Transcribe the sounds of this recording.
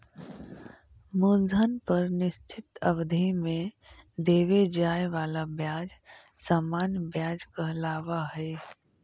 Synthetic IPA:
muːld̪ʱənpəɾnɪst͡ʃʰɪt̪əbd̪ʱimẽd̪eːʋed͡ʒaːjʋaːlabjaːd͡ʒ | saːmaːnjbjaːd͡ʒkəɦlaːʋaɦɛː

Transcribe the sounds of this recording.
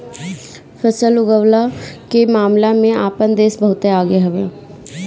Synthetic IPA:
fəsəlʊɡəwlakemaːmlamẽaːpənd̪eːsbɐɦʊt̪eaːɡeɦɐʋeː

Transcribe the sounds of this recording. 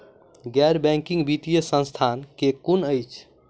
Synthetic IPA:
ɡɛɾbɛ̃ŋkĩŋɡbit̪ijəsə̃nst̪ʰankekunəjt͡ʃʰ

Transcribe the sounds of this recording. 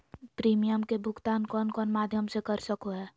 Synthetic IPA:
pɾiːmijəmkebʱʊɡt̪aːnkɔːnkɔːnmaːd̪ʱjəmsekəɾsəkoɦɛː

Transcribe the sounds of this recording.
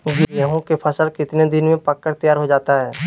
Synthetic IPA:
ɡijəɦõkepʰɐsəlkɪt̪ned̪ɪnmẽpɐkːəɾt̪əjaːɾɦod͡ʒaːt̪aɦɛː

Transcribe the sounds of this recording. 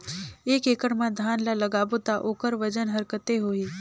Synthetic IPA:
eːkeːkəɽmãd̪ʱaːnlalɐɡaːbot̪aʔoːkəɾʋəd͡ʒənɦɐɾkət̪eɦoːiː

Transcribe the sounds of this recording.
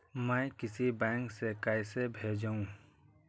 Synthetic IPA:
mɛ̃kɪsibɛ̃ːŋksekaːjsebʱeːd͡ʒaũ

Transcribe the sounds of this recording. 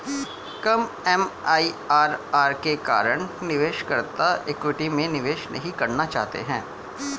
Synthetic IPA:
kɐm | ɛmaːiaːɾaːɾkeka̰ːɾəɳ̃nɪʋeːʃkɐɾt̪aʔekwɪʈimẽnɪʋeːʃnʔɐ̰ɦĩkɐɾnat͡ʃa̰ːɦt̪ḛɦɛ̃ː

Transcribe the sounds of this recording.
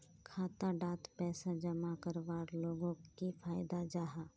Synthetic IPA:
kʰaːt̪aɖaːt̪pɛːsad͡ʒɐmakəɾʋaːɾloːɡõkifʰaːjd̪ad͡ʒaːɦaː

